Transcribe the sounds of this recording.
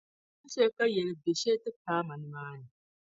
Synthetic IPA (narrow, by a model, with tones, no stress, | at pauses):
i˦ʃeː˦kɐ˦jɛ˨li˦be˨ʃeː˦tɨ˦kaː˦mɐ˨n˦maː˦ni˨